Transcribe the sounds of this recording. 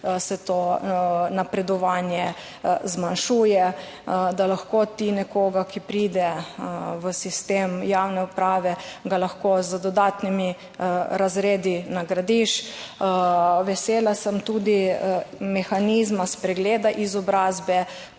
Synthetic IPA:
sɛt̪oːnapɾɛd̪ɔʋaːnjɛ | zmanʃuːjɛ | d̪alaxkot̪inɛkoːɡakipɾiːd̪ɛ | ʋəsist̪eːmjawnɛupɾaːʋɛɡalaxkoːzəd̪ɔd̪aːt̪nimi | ɾazɾeːd̪inaɡɾad̪iʃ | ʋɛseːlasəmt̪uːd̪i | mɛxanizmaspɾɛɡleːd̪aʔizɔbɾaːzbɛ

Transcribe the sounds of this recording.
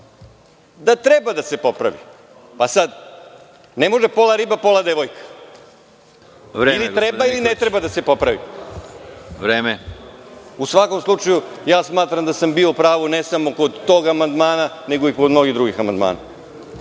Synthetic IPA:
d̪at̪ɾebad̪ase̞po̞pɾa̰ʋḭ | pasad̪ | nemo̞ʒepo̞lˠaɾibapolad̪eʋojkḁ | ʋɾeilit̪ɾebailinet̪ɾebad̪asepo̞pɾaʋḭ | ʋɾeːme | usʋako̞mslˠut͡ʃajujaːsmaːt̪ɾamd̪asambiopɾaːʋunesamo̞ko̞d̪t̪ːoɡamand̪maːnane̞ɡoikod̪mno̞ɡid̪ɾuɡixama̰nd̪ma̰ːna̰

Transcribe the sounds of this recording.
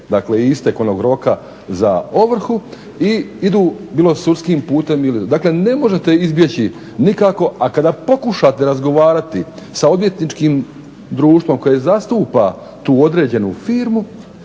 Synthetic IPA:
d̪akleist̪e̞ko̞no̞ɡɾo̞ka | zao̞ʋr̩xu | iid̪uːbiːlˠo̞suɾskiːmpuːt̪e̞milid̪akle̞ne̞mo̞ʒe̞t̪e̞izbjet͡ɕi | nikako̞ʔakad̪apo̞kuʃat̪e̞ɾazɡo̞ʋaːɾat̪isao̞d̪ʋje̞t̪nit͡ʃkiːm | d̪ɾuːʃt̪ʋo̞mko̞jezast̪uːpa | t̪uːo̞d̪ɾe̞ːd͡ʑe̞nufiːɾmu

